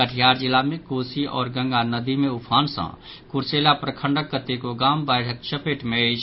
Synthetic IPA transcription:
əʈʰijaːɾd͡ʒilamekoːsiʔɔ̰ːɾɡə̃ŋɡanəd̪imeupʰaːnsə̰̃ | kuɾselapɾəkʰə̃ɳɖəkːət̪ekoɡaːmbaɪʈʰək̚t͡ʃəpeʈmet͡ʃʰ

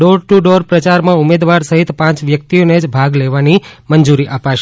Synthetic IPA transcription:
ɖoɾʈuɖoɾpɾət͡ʃaɾmãumed̪ʋaɾsəɦit̪pãt͡ʃʋjək̚t̪ioned͡ʒbʱaɡleʋanimənd͡ʒuɾiʔapaʃ

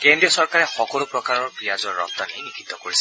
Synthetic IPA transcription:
kendɹiɔsɔɹkaɹɛxɔkɔlʊpɹɔkaɹɔɹbijazɔɹːɔ̰k̚t̪ːanejnikʰit̪ːɔkoɹisɛ

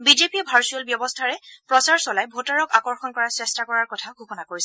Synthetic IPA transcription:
bizepiɛbʱaɹsuɔlbjɔbɔstʰaɹɛpɹɔsaɹsɔlajbʱotaɹɔkakɔɹxɔnkɔɹasɹɛstakɔɹaɹkɔtʰaɡʱukɔnakoɹisɛ

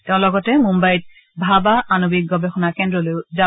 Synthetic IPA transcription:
teʊ̃lɔɡɔtɛmumbajt̚ | bʱabaanobik̚ɡɔbɛxɔnakɛndɹɔlojʊza

